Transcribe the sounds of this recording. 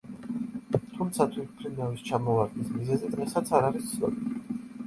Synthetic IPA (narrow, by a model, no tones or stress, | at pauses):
t̪ʰumt̪sʰat̪ʰwit̪̚ʰpʰɾinavist͡ʃʰamɔvaɾɡ̪nismizɛzid̪̥ʁɛsat̪sʰaɾaɾist̪sʰɔ̰bi